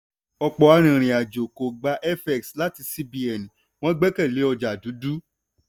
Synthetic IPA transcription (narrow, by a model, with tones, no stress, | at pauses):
ɔ˧k͡pɔ˨a˧ɾ̃ĩ˨ɾ̃ĩ˨a˨d͡ʒo˨ko˨ɡ͡ba˨˦ʔɛ˦fɛ˨ksla˦ti˧si˦bi˧ɛ˨nĩ˨ | w̃ɔ̃˦ɡ͡bɛ˦kɛ˦˨le˨˦ɔ˧d͡ʒa˨du˨˦du˦